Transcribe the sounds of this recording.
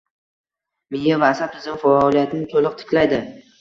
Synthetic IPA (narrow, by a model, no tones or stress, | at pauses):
mɪjavaːsap̚t̪ʰɪzɪmfaɒːlˠijat̪ʰɪnɪt̪ʰolɨq̚t̪ʰɪ̥kʲlajd̪ɪ